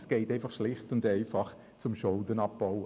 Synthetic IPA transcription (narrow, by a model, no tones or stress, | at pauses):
sɡ̥ɛɪtɛɪfɑχʃlɪχtʊndɛɪfɑχ | t͡sʊmʃɔldənɑp̚b̥ɔʊ